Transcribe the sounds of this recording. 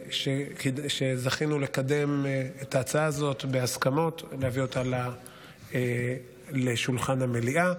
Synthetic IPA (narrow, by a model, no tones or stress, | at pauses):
ʃekiʃezaχinule̞kade̞metaːt͡saaːzo̞t̪beaskamo̞tlehavio̞tala | e | leʃulχanhameliʔa